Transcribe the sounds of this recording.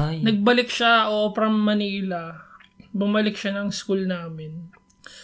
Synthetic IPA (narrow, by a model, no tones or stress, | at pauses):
nɐɡ̚bɐlɪkʃaʔopɾɐmːɐniːlɐ | bʊmɐlɪk̚ʃɐnɐŋskulnaːmɪn